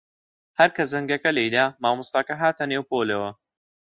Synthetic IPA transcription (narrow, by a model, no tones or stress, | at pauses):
hɐɾkʰɐsɐŋɡɐkɐlejd̪aːmaːmust̪aːkɐɦaːt̪ɐneːwpoːlewɐ